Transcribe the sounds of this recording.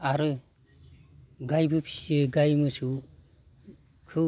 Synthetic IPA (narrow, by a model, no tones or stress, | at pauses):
aɾɯ | ɡajbɯpʰi̥siɯɡajmɯsu | kʰɯ